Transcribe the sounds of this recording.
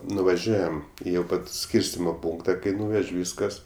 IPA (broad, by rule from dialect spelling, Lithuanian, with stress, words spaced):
nʊʋɐˈʒʲuɔjɛm ˈjɛʊ ɪ ˈpɐt ˈsʲkʲiːrʲsʲtʲɪmoː ˈpuːŋktɐ kɐɪ ˈnuːʋʲɛʃʲ ˈʋʲiːskɐs